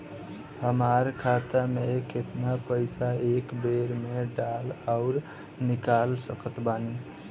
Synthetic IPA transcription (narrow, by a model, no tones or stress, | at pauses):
həmaɾkʰat̪ameket̪napəɪsaekbeɾmeɖalaʊɾ | nikalsəkət̪bani